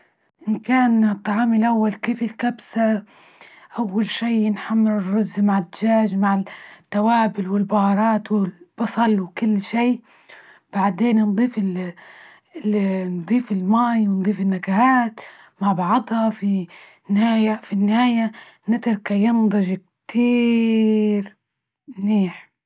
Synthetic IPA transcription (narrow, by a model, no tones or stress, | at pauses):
ʔɪnkaːnt̪ˤːɑʕɑːmɪlʔawːalkeːfɪlkabsa | ʔawːalʃiːɪnħamːɪɾɪrːʊzːmaʕɪd̪aʒaːd͡ʒmaʕɪt̪ːawaːbɪlwɪlbɑhɑɾˤɑːt̪wɪlb̥ɑsˤɑlwkʊlːʃiː | b̥aʕd̪eːnnd̪ˤiːfɪ | nd̪ˤiːfɪlmaːjwɪnd̪ˤiːfɪnːakahaːt̪ | maʕbɑʕɑd̪ˤhɑfi | nɪhaːjafinːɪhaːja | nɪt̪ɾkajɪnd̪ˤɑʒk̚t̪ʰiː | ɾ | mniːħ